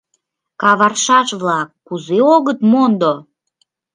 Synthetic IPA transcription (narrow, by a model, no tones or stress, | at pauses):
kɑβɑrʃɑʃβlɑkːuzeoɣət̪mond̪o